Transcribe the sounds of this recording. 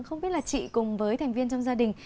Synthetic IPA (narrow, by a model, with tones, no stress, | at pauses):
ŋxə˧wŋ͡mɓi˦˥t̚laː˨˩t͡ɕḭ˧˨kʊ˨˩ŋ͡mvəː˨˦jt̪ʰɛ˨˩ŋ̟vi˧ənt͡ɕɔ˧ŋ͡mzaː˧ɗï˨˩ŋ̟